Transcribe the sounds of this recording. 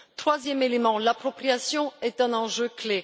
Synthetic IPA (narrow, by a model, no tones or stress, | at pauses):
t̪χwazjɛmelemɑ̃lapχɔpχijasjɔ̃ɛt̪ɛ̃nɑ̃ʒøkle